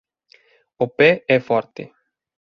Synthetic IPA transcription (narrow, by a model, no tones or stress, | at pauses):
opɛɛfɔrt̪ḛ